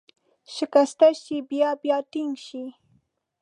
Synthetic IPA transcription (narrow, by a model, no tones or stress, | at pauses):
ʃɪkast̪aʃɪbjapjat̪ɪŋʃɪ